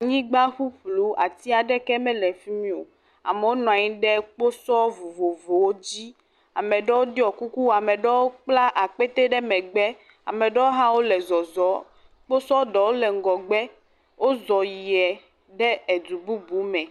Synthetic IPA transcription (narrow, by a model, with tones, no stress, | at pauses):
ɲĩ˦ɡ͡ba˦ɸu˦ɸlu˦a̰˨t̪i˦a˨ɖɛ˦kɛ˦mɛ̃˦lɛ˨fi˦mĩ˦o˨ | a̰˨mɛ˨wo˦nɔ̃˨a˨ɲĩ˦ɖɛ˦k͡po˦sɔ˦vo˨vo˨vo˨wo˦d͡ʑi˦ | a˨mɛ̃˨ɖɛ˦wo˦ɖi˦ɔ˨ku˦ku˦wa˨mɛ̃˨ɖɛ˦wo˦k͡pla˦ʔa˨k͡pɛ˦t̪e˦ɖɛ˦mɛ̃˨ɡ͡bɛ˦ | a̰˨mɛ̃˨ɖɛ˦wo˦ɦã˦wo˦lɛ˨zɔ˨zɔ˨˦ | k͡po˦sɔ˦ɖɛ˨wo˦lɛ˨ŋ̩˦ɡɔ˨ɡ͡bɛ˦ | wʔo˦zɔ˨ji˨ɛ˨ | ɖɛ˦ɛ˨d̪u˨bu˦bu˨˦mɛ̃˨